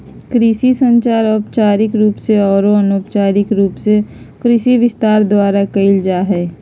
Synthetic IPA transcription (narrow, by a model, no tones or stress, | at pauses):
kɾiʃisə̃ɲt͡ʃaːɾɔːpt͡ʃaːɾɪkɾuːpseɔːɾoənoːpt͡ʃaːɾɪkɾuːpse | kɾiʃiʋɪst̪aːɾd̪waːɾakəɪld͡ʒaɦɛː